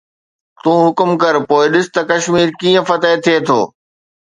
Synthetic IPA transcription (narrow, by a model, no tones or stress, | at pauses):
t̪ũːɦʊkʊmkɐɾpoːɪɗɪsɪ̥t̪ɐkɐʃmiːɾkiːə̃fɐt̪et̪ʰiet̪ʰo̰ː